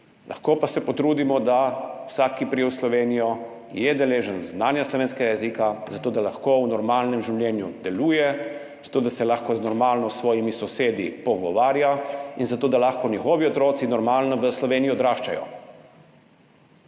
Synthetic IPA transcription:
lʔa̰xkoːpasɛpɔt̪ɾuːd̪imɔd̪awsaːkipɾiɛwslɔʋeːnijɔ | jɛd̪ɛleːʒənznaːnjaslɔʋeːnskɛɡajɛzikazat̪oːd̪alaxkownɔɾmaːlnɛmʒiwlʲjɛnjṵd̪ɛluːjɛ | z̥ḁt̪oːd̪asɛlaxkɔznɔɾmalnɔsʋɔːjimisɔseːd̪ḭpɔɡɔʋaːɾjainzat̪oːd̪alaxkɔnixɔːʋiɔt̪ɾoːt̪sinɔɾmaːlnɔʋəslɔʋeːnijiɔd̪ɾaːʃt͡ʃajɔ̰

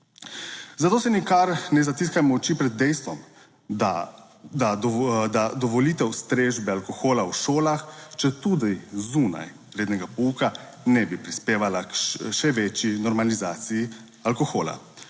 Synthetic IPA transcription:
zat̪oːsɛnikaɾnɛzat̪iːskajmɔt͡ʃipɾɛd̪̚ːɛjst̪ʋɔm | a | d̪ad̪ad̪ɔʋɔliːt̪ɛwst̪ɾeːʒbɛalkɔxoːlawʃoːlaxt͡ʃɛt̪uːd̪ijzuːna̰j | ɾeːd̪nɛɡapɔuːka | nɛbipɾispeːʋalakʃɛʋɛt͡ʃinɔɾmalizaːt̪siji | alkɔxoːla̰

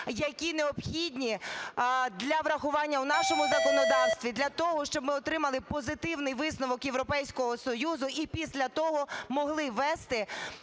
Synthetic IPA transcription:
jɐkʲineɔpxʲidʲnʲi | d̪lʲɐʋɾɐxʊʋɑnʲːɐwnɑʃɔmʊzɐkɔnɔd̪ɑwst̪ʋʲid̪lʲɐt̪ɔɦɔʃt͡ʃɔbmɪɔt̪ɾɪmɐlˠɪpɔzɪt̪ɪwnɪjʋɪsnɔʋɔkjeʋɾɔpɛjsʲkɔɦɔsɔjuzʊipʲisʲlʲɐt̪ɔɦɔmɔɦlˠɪʋɛst̪ɪ

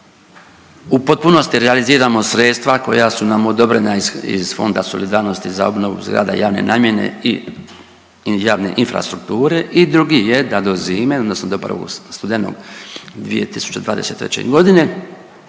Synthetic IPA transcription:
upo̞t̪̚punost̪iɾealiziːɾamo̞sɾet̪st̪ʋako̞̰jasunamod̪o̞bɾenaiḭz̥fo̰nd̪aso̞lid̪aːɾno̞st̪iza̰o̞bno̞ʋṵzɡɾa̰ːd̪a̰jaːʋne̞̰nʔaːmje̞ne̞̰i | jaːʋne̞̰ʔinfɾa̰st̪ɾukt̪uːɾe̞ʔid̪ɾuɡijed̪ad̪o̞ziːme̞od̪nosnod̪opɾa̰ʋo̰ɡst̪ud̪eno̰ɡd̪ʋḭjḛt̪isu̥t͡ɕed̪ʋaːd̪e̞set̪ːɾḛt͡ɕe̞̰ɡo̞d̪ine̞

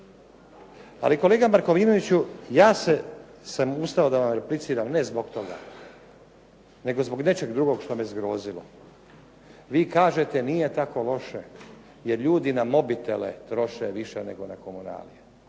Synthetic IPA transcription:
a̰likole̞ːɡamaɾkoʋiːnoʋit͡ɕujaːsesamust̪aod̪aʋamɾeplit̪siːɾamnezboɡt̪o̞ɡa̰ | ne̞ɡo̞zbo̞ɡne̞t͡ʃe̞ɡd̪ɾuɡo̞ɡʃt̪o̞mezɡɾoːzilo̰ | ʋiːkaːʒe̞t̪e̞nijet̪ako̞lo̞ʃe | jeɾʎuːd̪inamo̞bit̪ḛlḛt̪ɾo̞ʃeʋiʃenḛɡo̞nakomuna̰ːlḭje

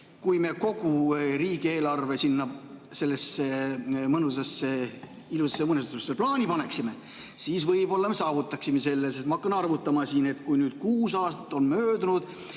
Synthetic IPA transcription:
kujme̞ko̞ɡ̥uriːɡ̥ie̞ːlɑrvesinːɑse̞lːesemɤnusesːe | ilusesːemɤnest̪t̪ːuseplɑːnʲipɑne̞ksime̞ | siːsvɤjbo̞lːɑmesɑːvut̪ːˑɑksimese̞lːesest̪mɑɑkːɑnɑrvut̪ːˑɑmɑsiːne̞t̪kujnyːd̪̥kuːsɑːst̪ɑ̥t̪ːˑo̞nmøːd̪unud̪̥

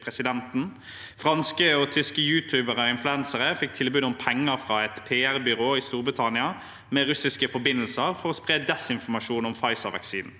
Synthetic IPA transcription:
pɾɛsɪd̪ɛnt̪n̩ | fʁɑnskəɔt̪ʰʏskəjʉːt̪ʰʉːbəʁəɔɪnflʉɛnsəʁəfɪk̚t̪ʰɪlbʉːd̪ɔmpʰɛŋːəfʁɑːɛt̪pʰeːæʁbʏʁoːiːst̪uːʁbʁɪt̪ʰɑnɪɑ | mɛːʁʉsɪskəfɔbɪnəl̩səʁfɔʁɔspʁeːd̪ɛsɪnfɔmɑʃuːnɔmfɑɪsəʁʋɛ̰ksiːd̪n̩

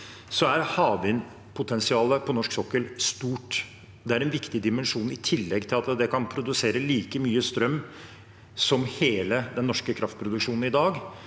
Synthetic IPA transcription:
sɔæɾhɑːʋɪn | pʰʊt̪ʰɛnsɪɑːləpʰɔnɔʂksɔkːəlst̪uːʈ | d̪ɛæɾɛnʋɪkt̪ɪd̪ɪmɛnʂuːnɪt̪ʰɪlːɛɡt̪ʰɪlɑt̪d̪ɛkʰɑnpʰɾʊd̪ʉseːɾəliːkəmyːəst̪ɾœmː | sɔmheːləd̪ɛnːɔʂkəkʰɾɑft̪̚pʰɾʊd̪ʉkʂuːnn̩ɪd̪ɑːɡ

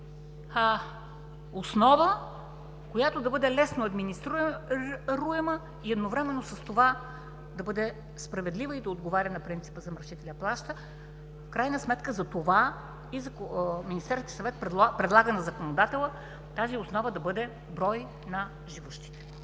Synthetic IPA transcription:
a | osnɔvə | kojat̪od̪ɐbɤd̪ɛlɛsnoɐd̪minist̪ɾu | ɾuɛmə | iɛd̪novɾɛmɛnːosɐst̪ova | d̪ɐbɤd̪ɛ | spɾɐvɛd̪livəid̪ɐod̪ɡovaɾʲənɐpɾint̪si̥pəzɐmɾɐʃit̪ɛlʲɐplˠaʃt̪ə | fkɾajnəsmɛt̪kəzɐt̪ova | izɐkminist̪ɛɾst̪ʲisɐvɛt̪pɛpɾɛd̪lˠaɡənɐzɐkonod̪at̪ɛlˠə | t̪aziosnɔvəd̪ɐbɤd̪ɛ | bɾɔj | nɐ | ʒivuʃt̪i̥t̪ɛ̥

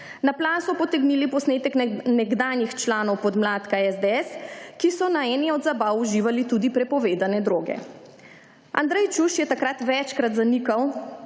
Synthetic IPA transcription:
naplaːsɔpɔt̪ɛɡnilipɔsneːt̪ɛknɛɡd̪aːnjixt͡ʃlaːnɔwpɔd̪mlaːt̪kaɛzd̪eɛskisɔnaɛnɛɔd̪zabawuʒiːʋalit̪uːd̪ipɾɛpɔʋeːd̪anɛd̪ɾoːɡɛ̰ | ʔa̰nd̪ɾɛjt͡ʃuʃjɛt̪akɾat̪ʋɛt͡ʃkɾat̪zanikaw

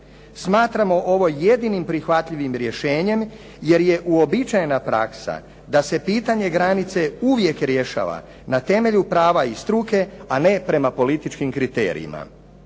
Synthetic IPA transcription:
smaːt̪ɾamo̞ʔo̞ʋo̞je̞d̪inimpɾixʋat̪ʎiʋimɾje̞ʃe̞ːɲe̞m | je̞ɾje̞ʔuo̞bit͡ʃajenapɾa̰ksa̰ | d̪ase̞piːt̪aɲe̞ɡɾanit̪se̞uʋje̞kɾje̞ʃa̰ʋa̰ | nat̪e̞me̞ʎupɾaːʋaist̪ɾuke̞ane̞pɾe̞mapo̞lit̪it͡ʃkimkɾit̪ḛːɾḭḭma̰

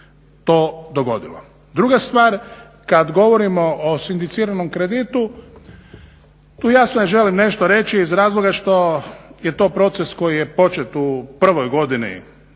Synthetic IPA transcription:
t̪oːd̪oɡo̞d̪ilo̰ | d̪ɾuɡast̪ʋaːɾ | kad̪ɡo̞ʋo̞ɾimo̞ʔːsind̪it̪siːɾanomkɾed̪it̪u | t̪uːjaːsnojeʒe̞limne̞ʃt̪oɾe̞t͡ʃiːzɾaːzlˠoɡaʃt̪o̞jet̪o̞ːpɾo̞t̪se̞sko̞jijepo̞t͡ʃe̞t̪upr̩ʋo̞jɡo̞d̪inḭ

